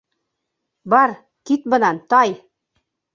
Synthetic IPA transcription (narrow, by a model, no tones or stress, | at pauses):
bɑɾ | kit̪̚bɤ̆nɑnt̪ɑj